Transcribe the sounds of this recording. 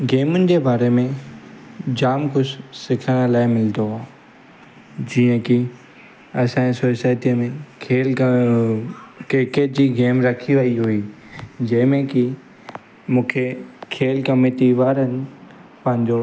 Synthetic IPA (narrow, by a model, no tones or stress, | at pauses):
ɡeːmʊnɪ̆d͡ʑeːbaːɾemẽ | d͡ʑaːmkʊssɪkʰəɽ̃laːɪmɪld̪oɦaː | d͡ʑiːə̃ki | ɐsãsoːsaːjt̪iəmẽkʰeːl | keːked͡ʑiːɡeːmɾɐkʰiʋɐiɦuiː | d͡ʑɐ̃ːmẽki | mũːkʰekʰeːlkɐmeʈiʋaːɾənɪ̆pɐ̃ɦɪ̃ɲd͡ʑo